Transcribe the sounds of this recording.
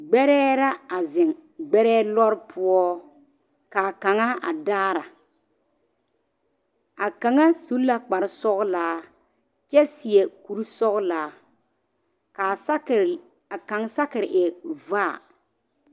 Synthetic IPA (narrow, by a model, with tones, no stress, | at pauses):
ɡ͡bɛ˦ɾɛː˦ɾa˦a˨zɪ˨ŋɡ͡bɛ˦ɾɛː˦lɔ˦ɾpʰʊ˦ɔ˦ | kaː˨ka˨ŋa˦a̰˨daː˦ɾa˨ | a˨ka˨ŋa˦su˨˦la˦k͡pa˨ɾɪ˦sɔ˦ɣlaː˨˦ | t͡ʃɛ˦sɪ˨ɛ˨ku˨ɾsɔ˦ɣlaː˨˦ | ka˨s | a˨ka˨ŋsa˦kɪ˨ɾɪ˨ʔɪ˨va̰ː˦˨